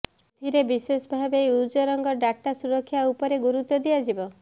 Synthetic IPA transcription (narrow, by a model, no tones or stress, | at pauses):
d̪̥ʱiɾebisesbʱabeud͡ʒɔɾɔŋɡɔɖaʈːasuɾɔkʰːjaupɔɾeɡuɾut̪ːɔd̪iad͡ʒibɔ